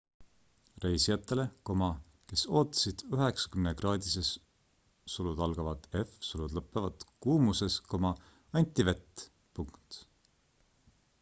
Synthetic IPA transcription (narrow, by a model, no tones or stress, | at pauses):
rejsiɑt̪ːˑe̞le̞ko̞mɑ | ke̞so̞ːt̪ːˑɑ̥sid̪̥yɦe̞ksɑ̥kymnekrɑːd̪̥ise̞s | sulud̪̥ɑlɡ̥ɑvɑd̪̥e̞fsulud̪lɤpːˑevɑd̪̥kuːmuse̞sko̞mɑ | ɑnʲt̪ːive̞t̪ː | puŋkt̪